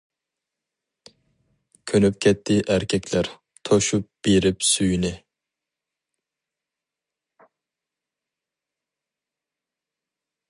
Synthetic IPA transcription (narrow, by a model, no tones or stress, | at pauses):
kʲʰønøp̚kʲʰɛt̪ʰːɪʔæɾkʲʰɛkʰʲlæɾ | t̪ʰɔʃup̚b̥iɾɪpsyjnɪ